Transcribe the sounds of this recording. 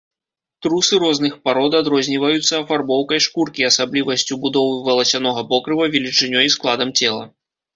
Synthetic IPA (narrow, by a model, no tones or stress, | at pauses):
t̪ɾusɨɾɔznɨxpaɾɔd̪ad̪ɾɔzʲnʲivɐjut̪sːɐɐfarbɔwkɐjʂkurkʲiɐsablʲivɐsʲt͡sʲubud̪ɔvɨvɐlˠɐsʲanɔɣɐpɔkɾɨvɐvʲɛlʲit͡ʂɨnʲɔisklˠad̪ɐmt͡sʲɛlˠɐ̰